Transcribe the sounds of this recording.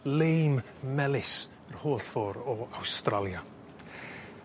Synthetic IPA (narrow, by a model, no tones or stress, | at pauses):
lejm | mɛlˠɪs | ər̥hoːɬfɔːɾɔawstralˠja